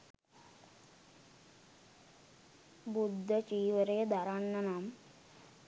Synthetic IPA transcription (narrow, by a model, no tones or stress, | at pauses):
bud̪ʱːɐt͡ʃiːʋəɾejd̪ʱaɾaɳːɐnaːm